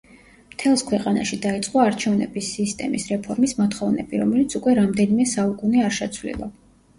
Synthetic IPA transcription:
mt̪ʰɛlˠskʰwɛqʼana̰ʃid̪ait̪sʼqʼɔaɾt͡ʃʰɛvnɛ̰bisːist̪ʼɛmisɾɛpʰɔɾmismat̪χɔvnɛ̰biɾɔ̰mɛlit̪sʰukʼwɛɾamd̪ɛnimɛsaukʼuniaɾʃɛt̪sʰvlḭlˠa̰

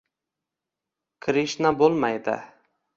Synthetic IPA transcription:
kʰɾiʃnabolˠmajd̪ɪ̰

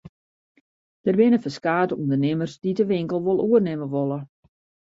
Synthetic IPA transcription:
d̥ərbɪnəfəskaːtəundərnɪmərsdidəʋɪŋkəlˠʋolˠuərnɪməʋolˠə

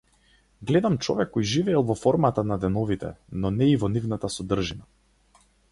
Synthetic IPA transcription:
ɡlɛd̪amt͡ʃɔ̰vɛkːɔjʒivɛːlˠvɔfɔɾmat̪anad̪ɛnɔvit̪ɛ̰nɔnɛivɔnivnat̪asɔd̪r̩ʒina

